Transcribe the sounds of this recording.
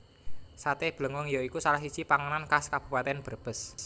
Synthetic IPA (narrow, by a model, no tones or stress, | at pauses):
sat̪eb̥ləŋɔŋjoikusalahɦsid̥t͡ʃipaŋənankaskab̥ṳpat̪ɛnb̥ərb̥əs